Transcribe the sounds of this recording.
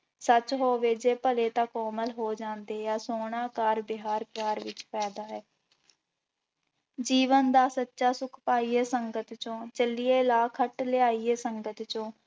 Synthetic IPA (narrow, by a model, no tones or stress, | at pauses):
sət͡ʃɦoːʋeːd͡ʒeːpəleːt̪ãkɔːməlɦoːd͡ʒãːnd̪eːjaːsoːɳaːkaːɾbɪɦaːɾpjaːɾʋɪt͡ʃpɛːd̪aːɦɛː | d͡ʒiːʋənd̪aːsətːʃaːsʊkʰpaːiːeːsəŋɡət̪t͡ʃõːt͡ʃəlieːlaːkʰəʈlɪaːiːɛːsəŋɡət̪t͡ʃõː